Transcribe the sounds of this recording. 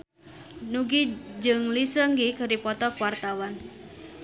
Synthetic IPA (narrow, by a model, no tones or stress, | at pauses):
nuɡid͡ʒɨŋlisəŋɡikəɾipɔt̪ɔkuwart̪awan